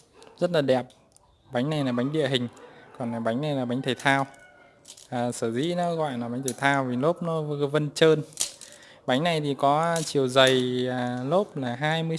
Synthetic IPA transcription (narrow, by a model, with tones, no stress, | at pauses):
zə˦˥t̚laː˨˩ɗɛ˨˩p̚ | ɓa˨˦jŋna˨˩jlaː˨˩ɓa˨˦jŋ̟ɗḭ˧˨əɦï˨˩ŋ̟kɔ˨˩naː˨˩ɓa˨˦jŋ̟na˨˩jlaː˨˩ɓa˨˦ŋ̟t̪ʰə˨˩jt̪ʰaː˧w | aː˨˩səː˧˩zḭ˧˥nɔ˨˦ɣɔ̰˧˨jlaː˨˩ɓa˨˦jŋ̟t̪ʰə˨˩t̪ʰaː˧wvi˨˩lo˦˥p̚nɔ˨˦vvə˧nt͡ɕəː˧n | ɓa˨˦jŋ̟na˨˩jt̪ʰi˨˩kɔ˨˦t͡ɕi˨˩əwzə˨˩jlo˦˥p̚laː˨˩ɦaː˧jmɨ˧ə